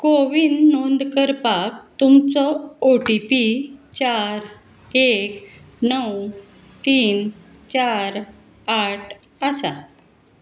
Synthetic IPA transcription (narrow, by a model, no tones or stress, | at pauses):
koʋinːond̪kəɾpak̚t̪umt͡sɔoʈipit͡ɕaɾ | ek | nəw | t̪iːn | t͡ɕaɾ | aʈʰ | əsa